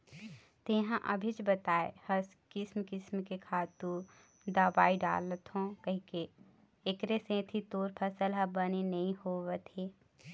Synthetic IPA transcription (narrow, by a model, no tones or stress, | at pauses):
t̪ɪɦãʔɐbʱit͡ʃbɐt̪aːḛhɐskɪsmkɪsmkekʰaːt̪ũ | d̪aːʋaːiɖa̰ːlət̪ɦõkɐɦĩkeː | kɾesẽːt̪ʰit̪oːɾpʰəsəlɦɐbɐnenɐɦĩhoːʋet̪ʰeː